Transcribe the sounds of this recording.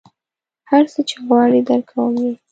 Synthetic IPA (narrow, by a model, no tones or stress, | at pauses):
haɾsət͡ʃeɣwɑɽid̪əɾkʰawəmwi